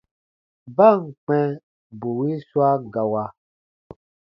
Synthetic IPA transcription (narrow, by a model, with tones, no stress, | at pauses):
ba˦˨ŋ̩˨k͡pɛ̃˦ | bo˨wi˦swa˦ɡa˨wa˨